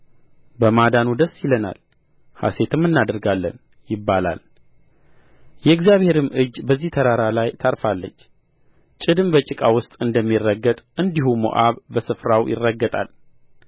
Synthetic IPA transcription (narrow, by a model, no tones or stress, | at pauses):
bəmad̪anud̪əsːjɪləna̰l | ha̰se̞t̪ʰɨmːɨnːad̪əɾɡalːə̰n | jɪbːala̰l | jɛɨɡzijaβhe̞ɾɨmɨd͡ʒːbəzːiht̪ʰəɾaɾalajt̪ʰaɾfalːət͡ʃː | t͡ʃʼɨd̪ɨmbət͡ʃʼɪkʼawʊst̪ʼɨnd̪əmːirːəɡːət̪ʼɨnd̪ihumo̰ʔaβbəsɨfɾawjɪ̰rːəɡːət̪ʼa̰l